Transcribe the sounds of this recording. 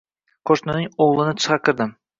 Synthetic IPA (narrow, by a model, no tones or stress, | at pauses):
qʰoʃnɪnɪŋoʁlˠɪnɪt̪ʰɨ̥ʁɑkʲʰɪɾd̪ɪm